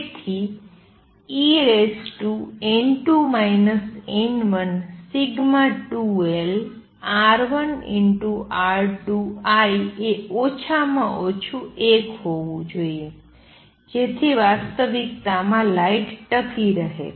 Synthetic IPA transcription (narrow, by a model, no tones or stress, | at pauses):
et̪ʰi | iɾesʈuenʈumainəsenʋənsiɡmaʈuel | aɾʋənḭɳʈuʔaɾʈuajeot͡ʃʰamãʔot͡ʃʰuʔekɦoʋũd͡ʒoie | d͡ʒet̪ʰiʋast̪əʋikt̪amãlaiʈʈəkiɾəɦḛ